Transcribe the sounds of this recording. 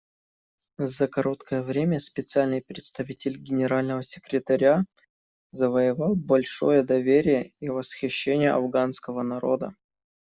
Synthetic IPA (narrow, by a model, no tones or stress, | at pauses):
zəkɐɾo̞t̪kʰəjəvɾʲemʲəspʲɪt̪sɨalʲnɨɪjpɾʲɪt̪st̪ɐvʲitʲɪlʲɡʲɪnʲɪɾalʲnəvəsʲɪ̥kɾʲɪt̪ɐɾʲa | zəvəjɪvɑlˠbɐlʲʂo̞jəd̪ɐvʲeɾʲɪjəivəsxʲɪɕːenʲɪjəɐvɡanskəvənɐɾo̞̰d̪ə